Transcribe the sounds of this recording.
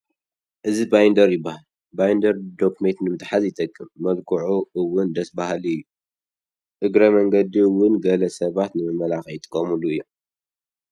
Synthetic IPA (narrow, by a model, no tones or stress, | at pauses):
ʔɨzibajnd̪ɐɾjɪbːahal | bajnd̪ɐɾd̪o̞kmet̪nɨmɨt̪ʼħazjɪt̪ʼɐkʼːɨmːɐlkʰuʕuɨwːʊnd̪ɐsbahaliɨjːu | ʔɨɡɾɐmɐŋɡɐd̪iwʊnɡɐlɐsɐβat̪nɨmɨmɐlaxjt̪ʼɨ̥kʼːɐmuluɨjːo